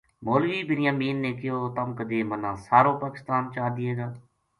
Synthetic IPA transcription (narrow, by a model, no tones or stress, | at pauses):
moːlʋiːbɪnɪjaːmiːnːeːkɪjoːt̪əmkəd̪eːmənãːsaːɾõːpaːkɪst̪aːnt͡ʃaːd̪ɪeːɡaː